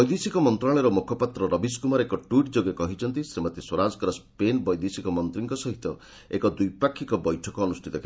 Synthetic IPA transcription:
ɔjd̪isikɔmɔnt̪ɾaɭ̃ɔɾɔmukʰɔpat̪ɾɔɾɔbiskumɔɾeekɔʈwiʈd͡ʒoɡekɔɦit͡ʃʰɔnt̪isemat̪iswɔɾad͡ʒɔkɔɾɔspenbɔjd̪isikɔmɔnt̪ɾiŋkɔsɔɦit̪ɔ | ekɔd̪ujpakʰːikɔbɔjʈʰɔkɔːnusʈʰit̪ɔkʰ

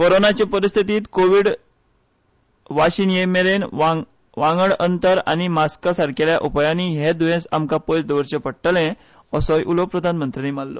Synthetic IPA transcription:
koɾonat͡ɕepəɾist̪ʰit̪iːt̪koʋiːɽ | ʋaɕiːnjemeɾen | ʋãŋɡəɽənt̪əɾa̰ñimaskasaɾkeljaʔupajaniɦed̪uʋẽsamkapəjt͡sd̪əʋəɾt͡ɕepəɽʈəlɛ̃ | əsɔjʔulopɾəd̪ʱanmənt̪ɾianimalːɔ̰

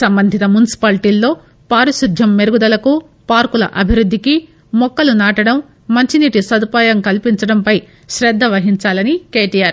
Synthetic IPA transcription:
sɐmbɐnd̪ʱit̪ɐmjunisi̥paːlʈiːlːo̞ː | paːɾusud̪ʱjɐmːeɾuɡud̪ɐlɐku | paːɾkulɐ̰ʔɐbʱiɾud̪ʱːiki | mɔkːɐlunaːʈɐɽɐmː | ɐɲt͡ʃiniːʈisɐd̪upaːjɐmkɐlpiɲt͡ʃɐɽɐmpɐj | ʃɾɛd̪ːɐʋɐɦiɲt͡ʃaːlɐnike̞ːʈijaːɾ

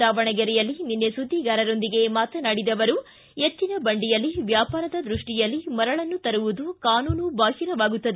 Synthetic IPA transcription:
aːʋɐɳɐɡɐɾɛjɐlːininːesud̪ʱːiɡaːɾɐɾo̞nd̪iɡe̞maːt̪ɐnaɽid̪ɐʋɐɾu | et͡ʃːinɐbɐɳɖijɐlːiʋjaːpaːɾɐd̪ɐd̪ɾuʂʈijɐlːimɐɾɐɭɐnːut̪ɐɾuʋud̪ukaːnuːnubaːɦiɾɐʋaːɡut̪ːɐd̪e

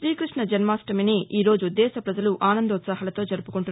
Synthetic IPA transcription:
ʃɾiːkɾiʂɳɐd͡ʒɐnmaːsʈɐminiʔiːɾoːd͡ʒuud̪ːɛːsɐpɾɐd͡ʒɐluʔaːnɐnd̪ɐut̪sɐɦaːlɐt̪o̞ːd͡ʒɐɾupu̥kuɳʈun

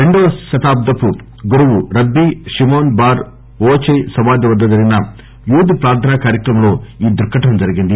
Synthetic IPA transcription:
ɾeɳɖosʃɐt̪aːb̚d̪ɐpu | ɡuɾɐʋuɾɐɡːiʂimoːnbaːɾ | oːt͡ʃɐjsɐʋaːd̪jɐʋɐd̪ːɐd̪ɐɾinːɐ | juːd̪ipɾaːɾt̪ʰɐnakaːɾjɐkɾɐmɐnuiːd̪uɾkʰɐʈɐmd͡ʒ̪ɐɾɐɡind̪i

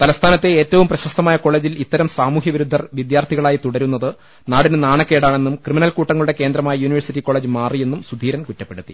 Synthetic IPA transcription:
t̪ɐlɐst̪ʰaːnɐt̪ːe̞eːtːɐʋumprɐɕɐst̪ʰɐmaːjɐko̞ɭe̞ːd͡ʑilit̪ːɐɾɐmsaːmuːɦjɐʋiɾud̪ʱːɐrʋid̪jaːrt̪ʰiɣɐɭaːjit̪uɽɐɾun̪ːɐðɨ | naːɽinɨnaːɳɐkːe̞ːɽaːɳe̞nːumkrɨminɐlkuːʈːɐŋːɐɭuɽe̞ke̞ːnd̪ɾɐmaːjɐjuːniʋɐrsitːiko̞ɭeːd͡ʑɨmaːrije̞nːumsud̪ʱiːɾɐmkutːɐpːe̞ɽut̪ːi

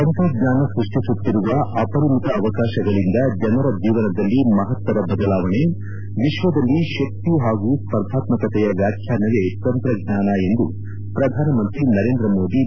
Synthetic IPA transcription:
t̪ɐnt̪ɾɐɡɲaːnɐsɾuʂʈisut̪ːiɾuʋɐʔɐpɐɾulit̪ɐːʋɐkaːʃɐɡɐɭind̪ɐd͡ʒɐnɐɾɐd͡ʒiːʋɐnɐd̪ɐlːimɐɦɐt̪ʋɐɾɐbɐd̪ɐlaːʋɐɳe | ʋiʃʋɐd̪ɐlːiʃɐk̚t̪iɦaːɡuspɐɾd̪ʱaːt̪mɐkɐt̪ɛjɐʋjaːkʰjaːnɐʋet̪ɐnt̪ɾɐɡ̚ɲaːnɐe̞nd̪u | pɾɐd̪ʱaːnɐmɐnt̪ɾinɐɾe̞ːnd̪ɾɐmo̞ːd̪i

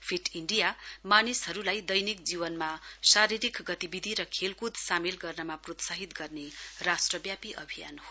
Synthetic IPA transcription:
pʰiʈiɳɖijamanisɦʌɾulajd̪ʌjnik̚d͡zibʌnmasaɾiɾikɡʌt̪ibid̪ʱiɾʌkʰelkud̪ʱsamelɡʌrnʌmaprot̪saɦit̪ɡʌrnerasʈrʌbjapiʔʌ̰bʱija̰nho

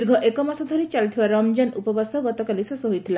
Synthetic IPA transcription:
ɾɡʱɔʔekɔmasɔd̪ʱɔɾit͡ʃalt̪ʰibaɾɔmd͡ʒanupɔbasɔɡɔt̪ɔkalisesɔɦojt̪ʰila

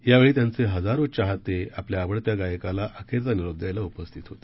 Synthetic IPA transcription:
jaʋeɭiːt̪jant͡seɦəd͡zaɾot͡ɕaɦat̪eapljaːʋəɽt̪jaɡajəkalaʔəkʰeɾt͡saniɭəb̚d̪ajlaupəst̪ʰit̪ɦot̪a

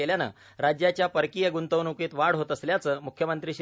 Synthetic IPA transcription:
eljanə̰ | ɾad͡ʑjat͡ɕjapəɾkijəɡunt̪əʋnukiːt̪ʋaɽɦot̪əsljat͡səːmukʰjəmənt̪ɾiːɕ

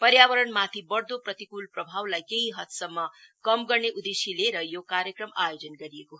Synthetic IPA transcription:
pʌɾjabʌɾʌnmat̪ʰibʌɽd̪oprʌt̪ikulprʌbʱawlajkeɦiɦʌt̪sʌmːʌkʌmɡʌrneʔud̪esileɾʌjokaɾjʌkrʌmajod͡zʌnɡʌɾijeko

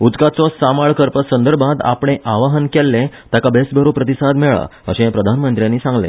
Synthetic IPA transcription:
ud̪kat͡sɔsamaɭkəɾpəsənd̪əɾbʱãd̪a̰pɳ̃eʔaʋaɦənkɛlːẽ | t̪akabesbʱəɾupɾət̪isad̪mɛɭa̰ə̰ɕẽpɾəd̪ʱanmənt̪ɾjanːiːsãŋɡlḛ̃

